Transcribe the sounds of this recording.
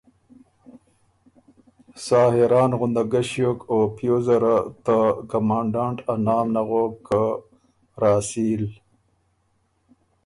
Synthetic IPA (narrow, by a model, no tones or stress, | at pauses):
sɑːhiɾɑːnɣʊnd̪aɡaʃjoːkopjoːzaɾat̪akamɑːɳɖɑːɳʈanɑːmnaɣoːka | ɾɑːsiːl